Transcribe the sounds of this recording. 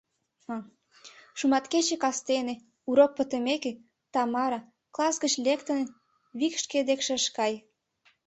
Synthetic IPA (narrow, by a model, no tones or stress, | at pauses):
ɑ | ʃumɑt̪ket͡ɕekɑst̪ene | uɾok̚pət̪əmeke | t̪ɑmɑɾɑ | klˠɑsɡət͡ɕlekt̪ən | βikʃked̪ekʃeʃkɑj